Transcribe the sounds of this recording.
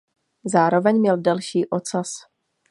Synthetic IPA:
zaːɾo̞vɛɲmɲɛldɛlʃiːʔo̞t͡sas

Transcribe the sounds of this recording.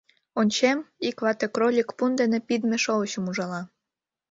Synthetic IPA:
onʲt͡ɕemikβɑt̪ekrolʲikpund̪enepid̪meʃoət͡ɕumuʒɑlɑ

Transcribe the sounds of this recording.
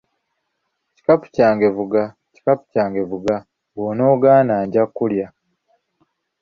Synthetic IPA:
ci̥kapu̥caːŋɡe̞vuɡa | ci̥kapu̥caːŋɡe̞vuɡa | ɡono̞ːɡaːnaːɲɟakːulja

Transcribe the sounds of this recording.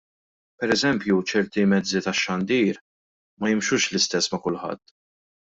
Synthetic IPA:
pɛɾɛzɛmpjut͡ʃɛɾt̪imɛd͡zːit̪ɐʃːɐnd̪iːɾ | mɐjɪmʃʊːʃlɪst̪ɛsːmɐkʊlħɐ̰t̪ː

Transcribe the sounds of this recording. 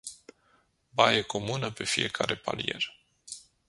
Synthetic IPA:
bajeko̞munəpe̞fije̞kʰaɾe̞pa̰lije̞̰r

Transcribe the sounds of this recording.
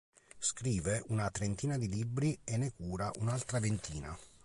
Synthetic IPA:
skɾiːveunat̪ɾent̪iːnad̪ilibɾienːekuːɾaʔunalt̪ɾavent̪ʰiːna̰

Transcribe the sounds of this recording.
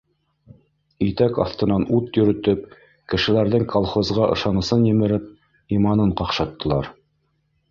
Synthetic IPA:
it̪ækɑ̰θt̪ɤ̆nɑnut̪jɵ̆ɾɵ̆t̪ɵp̚ | kɘ̆ʃɘ̆læɾðɘŋkʰolˠχozʁɑʔɤ̰̆ʃɑnɤ̆sɤnjɘ̆mɘ̆ɾɘp̚ | imɑnɤɴqɑqʃɑt̪ːɤ̆lˠɑɾ

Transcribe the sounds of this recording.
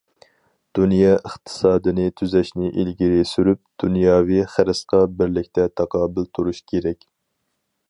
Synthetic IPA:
d̪̥unjɑʔəχt̪ʰɨ̥sɑːd̪ɨnɨt̪ʰyzɛʃnɪʔilɡʲiɾesyɾyp̚d̪̥unjɑːviχəɾɨsqɑbɪɾlɪkʲt̪ʰɛt̪ʰɑqʰɑːbɪlt̪ʰuɾuʃkʲʰeɾɛkʲ

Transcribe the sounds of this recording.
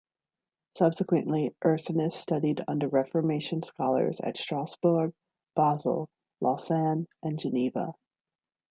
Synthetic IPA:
sʌb̥sɨkwɨ̰̃nʔliʔɜ˞sɨnɨstʌɾiɾʌ̰̃ndə˞ɹɛfə˞meɪʃɨ̃nskɑlˠə̰˞zɨ̰tstɹ̥æsb̥ʊ˞ɡ̚ | b̥ɑzl̩ˠ | lʔɑsæ̃nʔɨ̃nd͡ʒɨnivə̰

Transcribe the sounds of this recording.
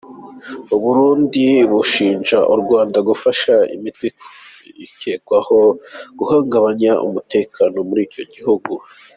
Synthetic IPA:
uβuɾuːndiβuʃiːnʒaʔuɾɡwaːndaɡufaʃaḭmitekʰo̥ | iceːkwaho̞ɡ̥uhaːŋɡaβaɲaʔṵmute̞ːkʰaːno̞muɾiːco̞ɟihuɡu

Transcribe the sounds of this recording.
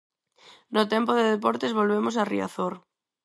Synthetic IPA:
not̪empoðeðepɔɾt̪ezβolβemos̬arḭa̰θoɾ

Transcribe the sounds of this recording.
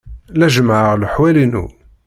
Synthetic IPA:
læʒmʕəʁləħwælinṵ

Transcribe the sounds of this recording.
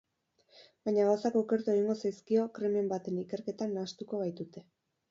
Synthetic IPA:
baɲaɣawsako̞ːke̞ɾt̪ueɣiŋɡo̞sajskio̞kɾeme̞mbat̪e̞nike̞ɾke̞t̪anaːst̪uko̞βajt̪ut̪e̞

